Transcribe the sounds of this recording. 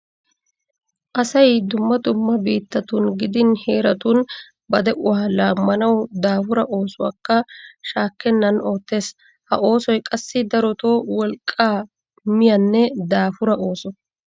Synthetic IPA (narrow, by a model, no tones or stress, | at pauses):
ʔɐsɐjd̪ʊmːɐd̪ʊmːɐbiːt̪ːɐt̪unɡɪd̪ɪnheːɾɐt̪un | bɐd̪ɛʔʊhaːlaːmːɐnɐwd̪aːfʊɾɐʔo̞ːsʊwa̰ːkːɐʃaːkːɛnːɐno̞ːt̪ːe̞ːs | hɐ̰ʔo̞ːsɔjkʼɐsːɪd̪ɐɾɔt̪oːwɔlkʼːaː | mɪjɐnːɛd̪aːfʊɾɐʔo̞ːsɔ